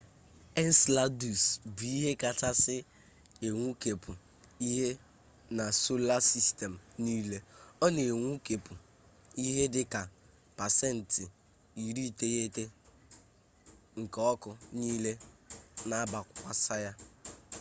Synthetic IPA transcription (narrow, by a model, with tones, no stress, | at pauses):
ɛ˦n̩˦sla˦du˨sbi˨˦i˦ɦe˦ka˨ta˦sɪ˦ | e˨ŋʷu˦ke˨pu˨ | i˦ɦe˦ | na˨so˦la˦si˦ste˨m̩˨niː˦le˦ɔ˦ne˨ŋʷu˦ke˨pu˨ | i˦ɦe˦dɪ˦ka˨ | pa˨sɛ˦˨n̩˨tɪ˨ | i˨ɾi˦˨te˦je˦te˦ | ŋ̩˨kɔ˦kʊ˨niː˦le˦na˦ba˨kkʷa˦sa˦ja˦